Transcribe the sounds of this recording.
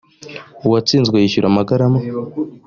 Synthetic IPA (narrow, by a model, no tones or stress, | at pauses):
uwat͡siːnzɡwajiʃuɾamaɡaɾama